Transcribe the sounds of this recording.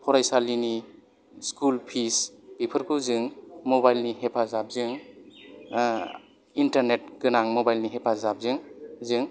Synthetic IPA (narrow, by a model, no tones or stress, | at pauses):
pʰɔɾajsalini | skulpʰisb̥ipʰəɾkʰuzɯŋmobajlniɦepʰazap̚zɯŋ | intaɾnet̚ɡɯnaŋmobajlniɦepʰazap̚zɯŋzɯŋ